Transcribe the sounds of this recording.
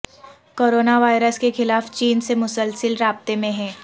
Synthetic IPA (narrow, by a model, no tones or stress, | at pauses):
koːɾoːnaʋaːɪɾəskexɪlaːft͡ʃiːnsemʊsəlsəlɾaːb̚t̪emẽɦɛ̃ː